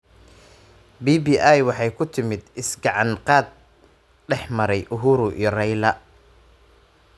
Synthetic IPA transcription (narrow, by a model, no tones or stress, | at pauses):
biːbiːʔajwɑħɑjkʰʊt̪ʰɪmɪd̪ɪsɡɑʕɑnqɑːd̪̚ | ɖɛħmɐɾɛjʔʊɦʊːɾʊʔḭːɔrɛjlɐ